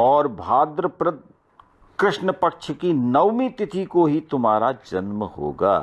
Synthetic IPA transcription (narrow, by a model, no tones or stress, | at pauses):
ɔːɾbʱaːd̪ɾəpɾə | kɾɪʃɳəpɐkʃəkinɐʋmĩt̪ɪt̪ʰikoɦit̪ʊmɦaːɾad͡ʒɐnməho̰ːɡa̰ː